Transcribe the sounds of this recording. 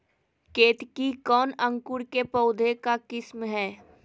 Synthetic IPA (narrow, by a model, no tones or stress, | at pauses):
keːt̪kikɔːnə̃ŋkʊɽkepɔʊd̪ʱekakɪsmɦɛː